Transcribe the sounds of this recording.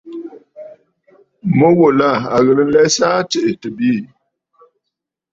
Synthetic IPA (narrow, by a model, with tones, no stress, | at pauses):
mə˦wo˨la˦˨a˨ɣə˨lə˦lɛ˦sa˦tə˨ʔe˨tə˨bi˦˨